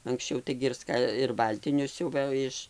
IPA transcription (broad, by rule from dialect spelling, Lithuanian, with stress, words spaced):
ɐŋksʲˈt͡ʃʲɛʊ ˈtɐɪɡʲɪ ɪr ˈskɐ ɪr ˈbɐlʲtʲɪnʲʊs ˈsʲʊʋɘ ɪʃ